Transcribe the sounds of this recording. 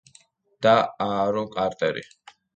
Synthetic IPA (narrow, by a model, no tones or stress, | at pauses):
d̪̥aaɾɔkʼaɾt̪ʼɛɾḭ